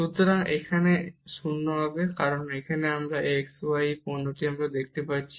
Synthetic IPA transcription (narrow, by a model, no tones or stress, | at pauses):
ʃut̪ɔɾaŋḛkʰanesunːɔbʱabekaɾɔnekʰaneamɾaʔeksajipɔnːoʈiamɾad̪ekʰt̪epatːt͡ʃʰi̥